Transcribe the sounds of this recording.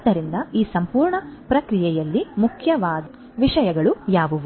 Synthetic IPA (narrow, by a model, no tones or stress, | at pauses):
d̪ɐɾind̪ɐiːsɐmpuːɾɳɐpɾɐkɾijɛjɐlːimukʰjɐʋaːd̪ | ʋiʂɐjɐɡɐɭujaːʋuʋu